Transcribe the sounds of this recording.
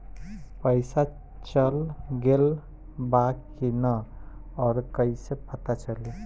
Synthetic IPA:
pəjsa | t͡ʃəlɡel | bakinʌ | ɔːɾkəisepʰət̪at͡ʃəli

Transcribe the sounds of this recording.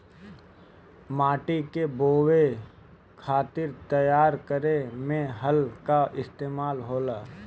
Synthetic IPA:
maːʈikeboːwe | kʰaːt̪ɪɾt̪əjaːɾkəɾemẽɦəlkaʔɪst̪eːmaːlɦoːlaː

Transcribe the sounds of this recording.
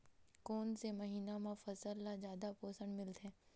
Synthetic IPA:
koːnsemɐɦiːnamʊfəsəɾːad͡ʒjaːd̪apoːsəɳɖmɪlt̪ɦɛː

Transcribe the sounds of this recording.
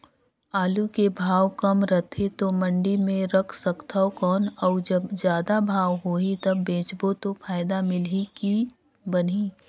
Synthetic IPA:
aːlukebʱaːwkɐmɾɐt̪ʰet̪omə̃ɳɖimẽɾɐkʰsɐkt̪aɦokɔːnɔːd͡ʒɐbzjaːd̪abʱaːwɦoːit̪ɐbːẽːt͡ʃbot̪ofʰaːɪd̪amɪliki | bəniː

